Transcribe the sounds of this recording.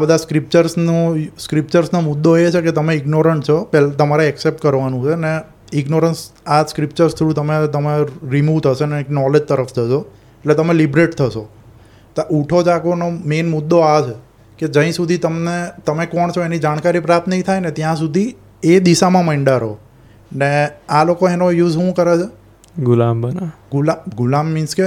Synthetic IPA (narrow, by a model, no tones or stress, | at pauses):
abəd̪ʱaskɾip̚t͡ʃəɾsnoskɾip̚t͡ʃəɾsnomʊd̪ːoet͡ʃʰeket̪əmeɪɡnoɾəɳʈt͡ʃʰɔpɛlt̪əmaɾeɛksep̚ʈkəɾʋanũt͡ʃʰene | ɪɡnoɾənsaskɾipt͡ʃəɾst̪ʰɾũt̪əmet̪əmeɾimut̪ʰəʃeneːknɔled͡ʒt̪əɾəft̪ʰəʃo | eʈlet̪əmelibɾeʈt̪ʰəʃo | t̪ʔuʈʰod͡ʒakonomenmʊd̪ːoat͡ʃʰe | ked͡ʒə̃ɦĩsud̪ʱit̪əmnet̪əmekɔɳt͡ʃʰoenid͡ʒaɽ̃kaɾipɾat̪ʰnəit̪ʰajnet̪jãsud̪ʱi | ed̪iʃamãməɳɖaɾo | nealokoenojuzɦũkəɾet͡ʃʰe | ɡulambənaɡulaɡulamːinske